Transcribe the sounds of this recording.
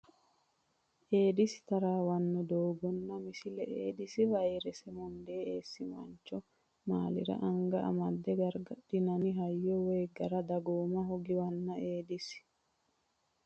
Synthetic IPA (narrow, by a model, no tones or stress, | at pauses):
ʔeːd̪ɪsɪ̥t̪ɐɾaːwɐnːɔd̪oːɡɔnːɐmɪsɪlɛʔḛːd̪ɪsɪvɐjeɾɛsɛmʊnd̪eːeːsːɪmɐ̰nt͡ʃːɔ | maːlɪ̰ɾɐ̰ʔɐŋɡɐʔɐ̰mɐd̪ːɛɡɐɾɡɐᶑɪnɐnɪɦɐjːɔweːɡɐɾɐd̪ɐɡoːmɐɦɔɡɪwɐnːɐʔeːd̪ɪs